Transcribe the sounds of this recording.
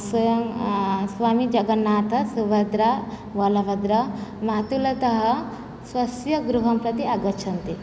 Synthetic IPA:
sʋɐjɐmsʋaːmid͡ʒɐɡɐnːaːt̪ɐsuʋɐd̪ɾa | ʋɐlɐʋɐd̪ɾɐmaːt̪ulɐt̪ɐɦɐ | sʋɐsjɐɡɾuɦɐmpɾɐt̪iɐɡɐt͡ʃʰɐnt̪i

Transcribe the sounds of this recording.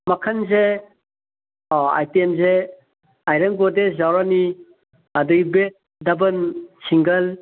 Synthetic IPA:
makʰanze | a̰jtiemze | ajɾɐŋbɔdezawɾani | adɯɡibe | dabɐnsiŋɡɐl

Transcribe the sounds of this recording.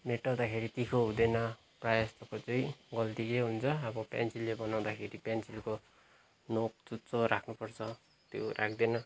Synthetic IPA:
meʈaw̃d̪akʰeɾit̪ikʰoɦud̪enʌ | prajast̪ʌkot͡sʌĩɡʌlt̪ikeɦunt͡sʰʌːbʌpja̰nt͡silːebʌnaw̃d̪akʰeɾipjant͡silko | nok̚t͡sut͡soɾakʰnupʌrt͡sʰʌ | t̪jo̰rʔakʰd̪enʌ

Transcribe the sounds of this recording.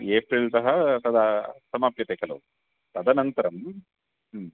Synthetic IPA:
eːpɾilt̪ɐɦɐt̪ɐd̪ɐsɐmaːpjɐt̪ekʰɐlṵ | t̪ɐd̪ɐnɐnt̪ɐɾɐm

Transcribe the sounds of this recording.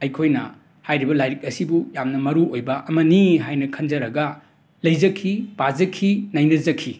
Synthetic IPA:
ɐjkʰojnɐ̰ | hajɾibɐlajɾik̚ɐsibujamnɐmɐɾuojbɐʔɐmɐniɦajnɐkʰɐnd͡ʒɐɾɐɡɐ | lɐjzɐkʰːipazɐkʰinɐjnɐzɐkʰːi

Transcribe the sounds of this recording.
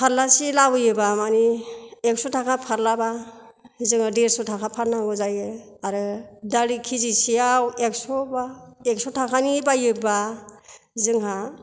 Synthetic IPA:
pʰaɾlasilabɯjɯbamaniek̚sɔtʰakʰapʰaɾlaba | zɯŋadeɾsɔtʰakʰapʰaɾnaɡɔzajɯ | aɾɯdalikʰizisijawek̚sɔbaek̚sɔtʰakʰanibajɯba | zɯŋɦa

